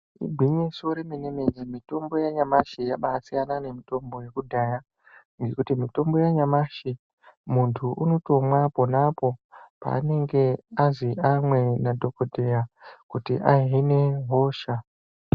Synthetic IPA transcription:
ḭɡʱwiɲesoɾemeneme̞ɲemito̞mbo̞jaɲamaʃijaɓaːsijanane̞mito̞mbo̞je̞kudʱaːja | ŋɡe̞kutimito̞mbo̞jaɲamaʃi | muntʰuʔuno̞to̞mwapo̞napo̞pa̰ːne̞ŋɡe̞aziʔamwe̞nadʱo̞kodʱe̞jakutḭʔaine̞ɦo̞ːʃa

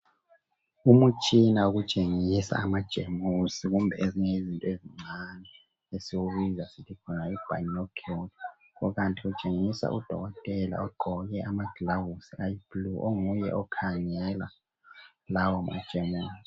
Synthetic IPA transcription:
umut͡ʃʼinauɣut͡ʃʼeŋisa̰ːmad̥ʒ̥ʱemusiɣumbʱɛeziŋezintʼɔeziŋ͡ǀanɛ | esiwuɣizasitʰikʰɔnaib̥ʱa̰nɔkʰot | ɔɣantʼiut͡ʃʼeŋisa̰ʔud̥ʱɔ̰ɣɔtʼɛla̰ɔɡ͡ǃʱɔɣɛʔamaɡ̥lawusiajibluʔoŋujɛ̰ʔɔkʰaŋɛla̰ | lawɔma̰̥ʒ̥ʱɛmɛl

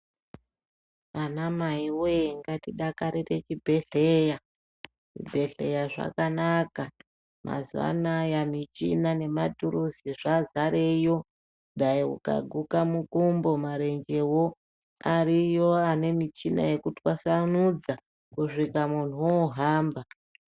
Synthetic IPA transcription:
anamaiweŋɡatiɗakaɾire̞t͡ʃibʱe̞ɬeja | ʐḭbʱe̞ɬe̞jaʐa̰kanaka | ma̰zwa̰najamit͡ʃinane̞matuɾuziʐazaɾe̞jo̞ | ɗaiṵka̰ɡʱukamukumbo̞maɾe̞ɲd͡ʒe̞wo̞ | arijo̞ane̞mit͡ʃina̰je̞kutiwasanud͡za | kuʂikamun̤uwoɦaːmba

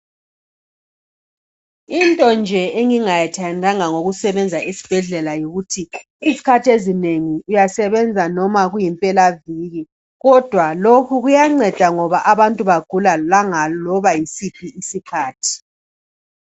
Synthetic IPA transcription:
intʼɔnd͡ʒʱɛeŋiŋajɛtʰajandʱaŋaŋoɣusɛβɛnd͡zʱaisi̥b̥ʱɛɮɛlajoɣutʰiː | zikʰatʰezineŋiujasɛβɛnd͡zʱanɔmaɣujimpʼɛlaviɣi | ɣɔd̥ʱwalokʰuɣujaŋ͡ǀɛd̥ʱaŋɔβaʔaβantʼuβaɡ̥ʱulalaŋalɔβajisipʰiisikʰaːtʰi̥

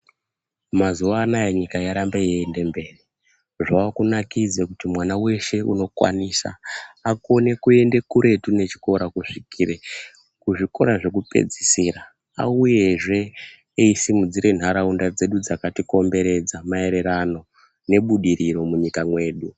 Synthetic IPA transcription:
mazuʋaːnajeɲikajaɾambejeːnde̞mbe̞ːri | ʐaakunakid͡zekutimwanawe̞ʃe̞uno̞kwa̰niːsa̰ako̞ne̞kue̞nde̞kuɾʔe̞tune̞t͡ʃi̥ko̞ɾakuʂikʰiːɾe | kuʐiko̞̰ɾaʐe̞k̬upe̞̰d͡zisiːɾa | a̰uje̞ʐe̞ː | isimud͡ziɾe̞n̤aɾaundad͡ze̞ɗud͡zakatiko̞mbe̞ɾe̞d͡zamae̞ɾe̞ɾano̞ | ne̞ɓuɗiɾiɾo̞muɲikamwe̞ːɗu

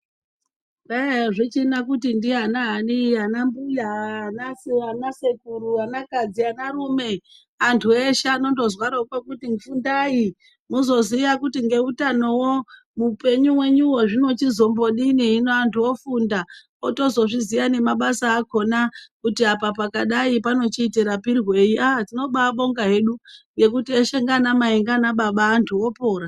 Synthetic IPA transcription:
eʐit͡ʃinakutindianaɦaniɦanambujaanasanasekuɾuanakad͡zianaɾume̞ | antʰueʃano̞ndo̞zwaɾokwokutimufundai | muzo̞ziʋakutiŋɡe̞utano̞wo | mupe̞ɲuwe̞ɲuwo̞ʐino̞t͡ʃizo̞mbo̞ɗiniɦinoantʰuwo̞funda | oto̞zo̞ʐizijane̞maɓasaːko̞nakutiapapakaɗaipano̞t͡ʃiːteɾapirwe̞iʔatino̞ɓaɓo̞ŋɡaɦe̞ɗuŋɡe̞kutieʃe̞ŋɡanamaiŋɡanaɓaɓaːntʰuwo̞po̞ːɾa

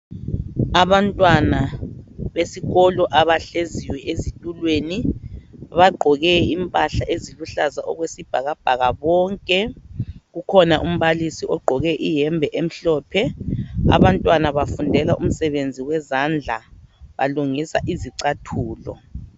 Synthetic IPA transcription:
aβantʼwana | βesiɣɔlɔʔaβaɬeziwɛʔezitʼulweːni | βaɡ͡ǃʱɔɣɛimpʼaɬaʔeziluɬazaʔɔɣwesib̥ʱaɣab̥ʱaɣaβɔŋkʼɛɣukʰɔnaʔum̩βalisiɔɡ͡ǃʱɔɣɛʔijɛmbʱɛʔem̩ɬɔːpʰɛa̰βantʼwanaβafundʱɛlaʔum̩sɛβend͡zʱiwɛzand͡ɮʱaβaluŋisaʔiziǀatʰuːlɔ̰

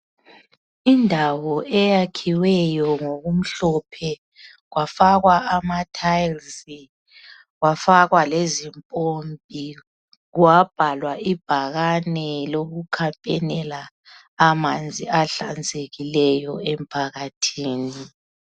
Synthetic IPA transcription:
indʱawɔʔɛjakʰiwɛjɔŋoɣum̩ɬɔpʰɛ | ɣwafaɣwaamatʰajlsi | ɣwafaɣwalezimpʼombʱi | ɣuwab̥ʱalwaib̥ʱaɣanɛloɣukʰampʼɛnɛlaː | mand͡zʱiaɬand͡zʱeɣilɛjɔɛm̩pʰaɣatʰiːni

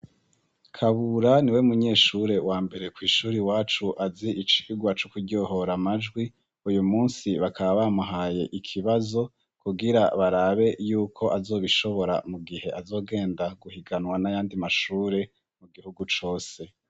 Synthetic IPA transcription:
kʰaβuɾaniwe̞muɲe̞ːʃuɾe̞waːmbe̞ɾe̞kwiːʃuːɾiwaːt͡ʃuʔaziʔit͡ʃi̥ːɡwat͡ʃukudɟo̞ɦo̞ɾamad͡ʒɡwi | ujumuːnsiβakʰaβaβamuɦaːje̞ʔikʰiβazo̞ | kuɡiɾaβaɾaβe̞juːkʰo̞ʔazo̞ːβiʃo̞βo̞ɾa̰muɡihe̞ʔazo̞ːɡe̞ːndaɡuhiɡanwanajaːndimaʃuːɾe̞ | muɡihuɡut͡ʃo̞ːse̞

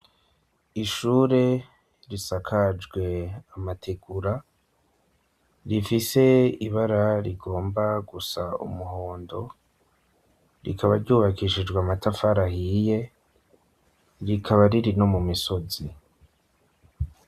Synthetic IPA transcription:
iʃuːɾe̞ | ɾisakʰad͡ʒɡwe̞amatʰe̞ɡuɾa | ɾifise̞iβaɾaɾiɡo̞ːmbaɡusaṵmuɦo̞ːndo̞ | ɾikʰaβaɾɟuːβakiʃid͡ʒɡwamatafaɾahije̞ | ɾikʰaβaɾiɾino̞mumiso̞zi

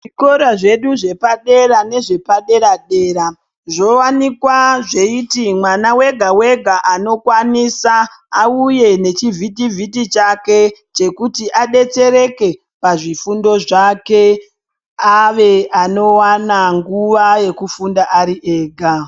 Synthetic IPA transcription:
ʐiko̞ɾaʐe̞ɗuʐe̞paɗe̞ɾane̞ʐe̞paɗe̞ɾaɗe̞ːɾa | ʐo̞wanikwaʐe̞itimwanawe̞ɡʱawe̞ɡʱaʔano̞kwanisaːuje̞ne̞t͡ʃivʱitivʱitit͡ʃake̞ | t͡ʃe̞kutiʔaɗe̞t͡se̞ɾe̞ke̞ | paʐifundo̞ʐake̞ | aʋe̞ano̞wanaŋɡuʋaje̞kufundaʔaɾiʔe̞ːɡʱa

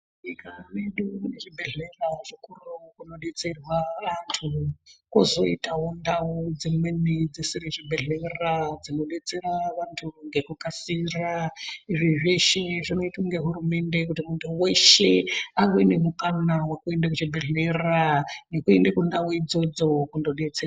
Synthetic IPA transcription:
ikaneɗukuneʐibʱeɮeraʐikurukuno̞ɗet͡se̞rwaʋantʰukozo̞itaɦondaud͡zimwe̞nid͡zisiɾiʐibʱeɮerad͡zino̞ɗe̞t͡se̞raʋantʰuŋɡe̞kukasiraiʐiʐeʃeʐino̞ituŋɡe̞ɦurume̞nde̞kutimuntʰuwe̞ʃe̞aŋɡoine̞mukanawakue̞ndakut͡ʃibʱeɮeranekuendekundauid͡zo̞d͡zo̞kundo̞ɗe̞t͡sera

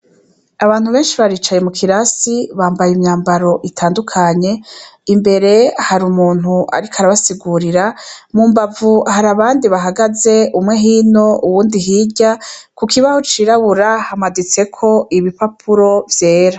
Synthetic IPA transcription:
aβaːn̥huβe̞ːnʃiβaɾiːt͡ʃajemukʰiɾasiβaːmbajimɲaːmbaɾo̞ʔitʰaːndukʰaɲe̞imbe̞ɾe̞haɾumuːn̥huʔa̰ɾikaɾaβasiɡuɾiɾamumbavuhaɾaβaːndiβaɦaɡaze̞ʔumŋe̞ɦiːno̞ʔuwuːndiɦiːɟakukiβahot͡ʃiːɾaβuɾahamadit͡se̞kʰo̞ʔiβipapʰuɾo̞vje̞ːɾa

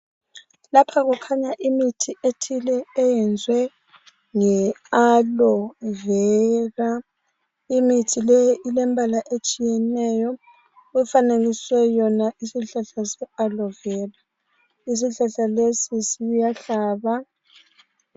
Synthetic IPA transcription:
lapʰaɣukʰaɲaʔimitʰiʔetʰilɛːjɛnd͡zʱwɛ | ŋɛalɔvɛɣa | imitʰilɛjʔilɛmbʱalaʔet͡ʃʼijɛnɛjɔ | ɣufaneliswɛjɔnaʔisiɬaɬasɛalɔvɛːla | is̬iɬaɬalesisijaɬaːβa

